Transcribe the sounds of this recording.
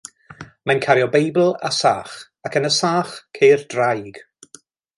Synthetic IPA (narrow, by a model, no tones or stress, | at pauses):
mankʰaɾjɔbejbl̩ˠa̰saːχ | akənəsaːχkʰeːrd̥rajɡ̥